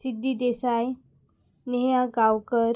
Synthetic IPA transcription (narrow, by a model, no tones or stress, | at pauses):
sid̪ːiːd̪esaj | neɦãɡawkəɾ